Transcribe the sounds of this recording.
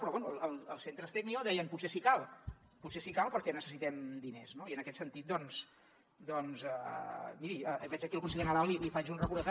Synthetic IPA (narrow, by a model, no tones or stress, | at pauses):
pɾɔβɛnuəlˠəlˠəlˠsent̪ɾəst̪ɛknioðɛjənput̪sesikalˠ | putsesikalˠpəɾkɛnəsəsit̪ɛmd̪ineznoiənəkɛt̪sənt̪it̪̚d̪ɔns | d̪ɔnzəmiɾiəβɛt͡ʃəkilˠkuns̬əʎenəlalilifat͡ʃunrəkuðət̪a